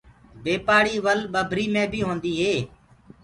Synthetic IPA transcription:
beːpaːɽiːʋəlɓəbʱɾiːmẽːbʱiːɦõːnd̪iːɦeː

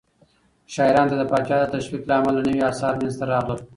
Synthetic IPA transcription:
ʃɑɪɾɑnt̪ad̪əpɑt͡ʃɑd̪ət̪aʃwiklaamalːanəwiɑːsɑɾmanzt̪aɾɑɣləw

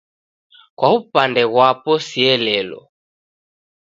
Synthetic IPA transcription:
kwaupandɛɣwapɔsiɛlɛlɔ̰

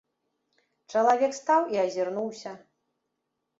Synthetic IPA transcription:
t͡ʂɐlˠavʲɛkst̪awiɐzʲirnuwsʲɐ

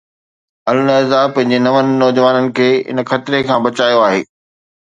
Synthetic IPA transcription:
ɐlnəzapɐ̃ɦɪ̃ɲ̆d͡ʑenɐʋənɪ̆nɔːd͡ʑʋaːnənɪ̆kʰeːɪ̰n̆xɐt̪ɪɾekʰãːbɐt͡ɕaːjoaːɦḛː

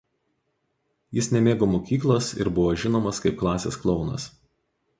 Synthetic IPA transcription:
jɪsnʲɛmʲeːɡoːmoːkʲiːklˠosɪ̰ɾbʊʋoːʒʲɪnoːmɐskɐɪp̚klˠɑːsʲḛːsklˠɒʊnɐ̰s

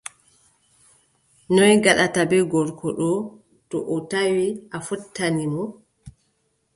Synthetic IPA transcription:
nɔjɡaɗatabɛɡɔɾkɔɗɔ | tɔʔɔtawiʔafɔtʰːanimɔ

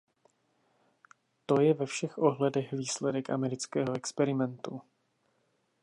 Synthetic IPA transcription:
t̪o̞jɛvɛfʃɛxʔoɦlɛdɛxviːslɛdɛkʔa̰mɛɾɪt͡skɛːɦoɛkspɛɾɪmɛnt̪u

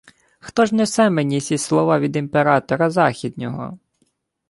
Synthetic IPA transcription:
xt̪ɔʒnɛsɛmenʲisʲislˠɔʋɑʋʲid̪impeɾɑt̪ɔɾɐzɑxʲid̪nʲɔɦɔ̰

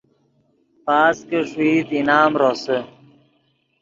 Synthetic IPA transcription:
paːskeʂuiːt̪inaːmɾose

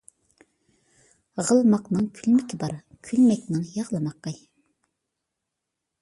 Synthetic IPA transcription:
ʁəlˠmɑqnɨŋkʲʰylmɪkʲʰibɑɾ | kʲʰylmɛkʲnɪŋjɑʁlˠəmɑqːɑ

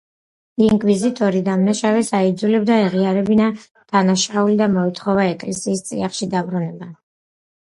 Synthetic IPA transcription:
iŋkʼwizit̪ʼɔɾid̪amnaʃavɛsaid̪zulɛbd̪aɛʁiaɾɛbina | d̪̥anaʃaulid̪amɔit̪ʰχɔvaɛkʼlɛsiːst̪sʼḭaχʃid̪abɾunɛba

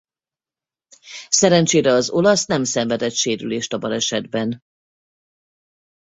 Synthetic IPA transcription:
sɛɾɛnt͡ʃeːɾɛɒzo̞lɒsnɛmsɛɱvɛd̪ɛt̪ʃeːɾyleːʃt̪ɒbɒlɛʃɛd̪bɛn

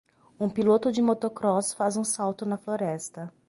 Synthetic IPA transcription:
ũpilot̪ʊd͡ʒɪmot̪okɾɔsfazũsawt̪ʊnɐfloɾɛst̪ɐ

